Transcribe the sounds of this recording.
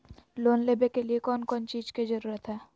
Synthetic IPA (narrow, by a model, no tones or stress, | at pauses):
loːnleːbekeliekɔːnkɔːnt͡ʃiːzkizɐɾuːɾət̪ɦɛː